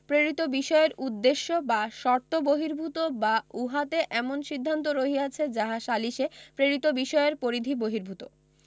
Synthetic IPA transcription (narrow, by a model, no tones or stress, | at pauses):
pɾeɾit̪obiʃɔeɾud̪ːeʃːobaʃɔɾt̪ːoboɦiɾbʱut̪obauɦat̪eʔɛmonʃid̪ʱːant̪oɾoɦiat͡ɕʰed͡ʑaɦaʃaliʃepɾeɾit̪obiʃɔeɾpoɾid̪ʱiboɦiɾbʱut̪o